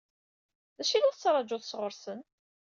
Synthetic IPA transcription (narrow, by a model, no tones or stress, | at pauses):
ðæʃilæθt͡sːɾˤɑd͡ʒʊθsʁəɾsən